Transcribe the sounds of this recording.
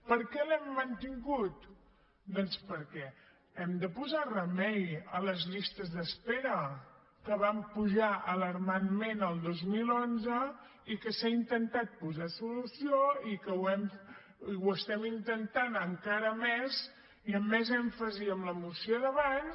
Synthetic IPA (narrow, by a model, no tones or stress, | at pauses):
pəɾkɛlɛmːənt̪iŋɡut̪ | d̪ɔnspəɾkɛ | ɛmd̪əpuzarəmɛjələzʎist̪əzðəspeɾə | kəβ̞ampuʒaʔələɾmanmenəlˠd̪ozmilonzə | ikəsaint̪ənt̪at̪̚puzasulusioikəwɛm | wəst̪ɛmint̪ənt̪anəŋkaɾəmez | iəmːɛzɛɱfəziəmləmusioðəβaɲ